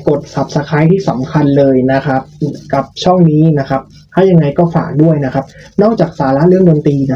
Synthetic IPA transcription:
ko˨˩t̪̚sa˨˩p̚sa˧kʰaː˦˥jt̪ʰiː˥˩sa˩˦mkʰa˧nlɤː˧jna˦˥kʰa˦˥p̚ːka˨˩p̚t͡ɕʰɔ˥˩ŋniː˦˥na˦˥kʰa˦˥p̚ | t̪ʰaː˥˩ja˧ŋːa˧jkɔː˥˩faː˨˩k̚du˥˩əjna˦˥kʰa˦˥p̚ | nɔː˥˩k̚t͡ɕaː˨˩k̚saː˩˦la˦˥lɯ˥˩əŋdoː˧nt̪iː˧na˦˥

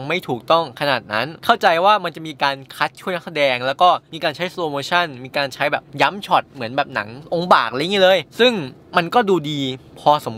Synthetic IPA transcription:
ma˥˩jt̪ʰuː˨˩k̚t̪ɔ˥˩ŋkʰa˧naː˨˩t̪̚na˦˥nkʰa˥˩wt͡ɕa˧jwaː˥˩ma˧nt͡ɕa˨˩ʔmiː˧kaː˧nkʰa˦˥t̪̚t͡ɕʰu˥˩jna˦˥ksa˧˩dɛː˧ŋlɛː˦˥wkɔː˥˩miː˧kaː˧nt͡ɕʰa˦˥jsloː˧moː˧t͡ɕʰa˥˩nmiː˧kaː˧nt͡ɕʰa˦˥jbɛː˨˩p̚ja˦˥mt͡ɕʰɔ˨˩t̪̚mɯ˩˦ənbɛː˨˩p̚na̰˩˦ŋʔo˧ŋbaː˨˩k̚ʔa˧˦jŋiː˦˥lɤː˧jsɯ˥˩ŋma˧nkɔː˥˩duː˧diː˧pʰɔː˧so˩˦m

